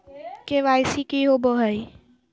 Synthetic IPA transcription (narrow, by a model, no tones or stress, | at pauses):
keʋajsikiɦoboɦəj